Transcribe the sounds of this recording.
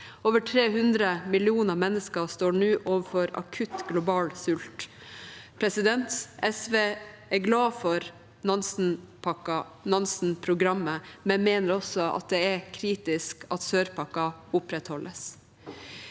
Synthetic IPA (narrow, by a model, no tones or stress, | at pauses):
oːʋəʈʰɾeːhʉnd̪ɾəmɪlɪuːnəɾmɛnːəskəst̪oːɳʉːʔoːʋəfɔɾɑ̰kʰʉt̪ɡlʊbɑːlsʉlt̪ | pʰɾɛsɪd̪ɛnt̪ɛsʋeː | ɛɾɡlɑːfɔɾ | nɑnsn̩pɑkɑ | nɑnsn̩pʰɾʊɡɾɑmːəmɛnmeːnəɾɔsːɔʔɑ̰t̪̚d̪ɛɛɾkʰɾiːt̪ɪskʰɑt̪søːɾpʰɑkɑʊpɾɛt̪hɔlʔəs